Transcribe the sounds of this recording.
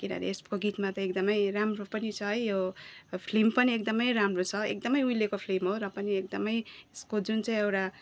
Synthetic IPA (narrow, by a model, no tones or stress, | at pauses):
kiɾa̰ɾḛespkoɡit̪mat̪ʌek̚d̪ʌmʌjramropʌnit͡sʰʌɦʌjjopʰlempʌniekd̪ʌmʌjɾamrot͡sʰʌek̚d̪ʌmʌjujlekopʰlemɦoɾʌpʌniek̚d̪ʌmʌjskod͡zunt͡saĩewʈa